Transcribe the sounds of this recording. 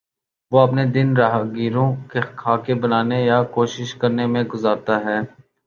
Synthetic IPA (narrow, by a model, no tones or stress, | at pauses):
ʋoːɐpned̪ɪnɾaːɦɡiːɾõkekʰaːkebɐnaːnejakoːʃɪʃkɐɾnemẽɡʊzaːɾt̪aɦɛː